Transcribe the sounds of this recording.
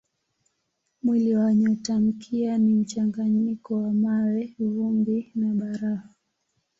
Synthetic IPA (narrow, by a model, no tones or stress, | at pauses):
mwiliwaɲɔtam̩kʰianim̩t͡ʃaŋɡaɲikɔwamawɛvuŋɡinaɓaɾaha